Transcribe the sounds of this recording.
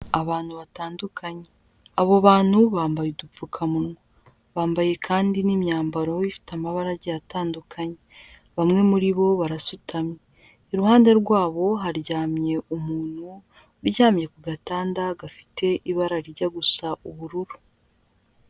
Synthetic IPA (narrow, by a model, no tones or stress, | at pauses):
aβaːn̥huβataːndukʰaɲe | aβoβaːn̥huβaːmbajuduukʰamunŋo | βaːmbaje̞kʰaːndinimɲaːmbaɾo̞ifi̥tamaβaɾaɟejataːndukʰaɲe | βamŋe̞muɾiβo̞βaɾasutʰamɲeː | ɾuhaːnde̞ɾɡwaːβo̞ɦaɾɟaːmɲe̞ʔumuːn̥hu | ɾjaːmje̞kuɡataːndaɡafi̥te̞ʔiβaɾaɾiɾɟaɡusaʔuβuɾuɾu